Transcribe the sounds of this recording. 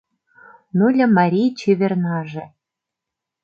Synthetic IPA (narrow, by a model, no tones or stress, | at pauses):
nulʲɘ̆mɑɾʲijt͡ɕeβʲernɑʒĕ